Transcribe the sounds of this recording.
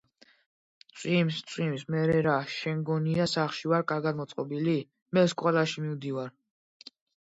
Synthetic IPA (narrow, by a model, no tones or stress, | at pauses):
t̪sʼwimst̪sʼwimsmɛɾɛɾaʃɛŋɡɔniasaχʃivaɾkʼaɾɡad̪mɔt̪sʼqʼɔbili | mɛskʼwɛlaʃimimd̪ivaɾ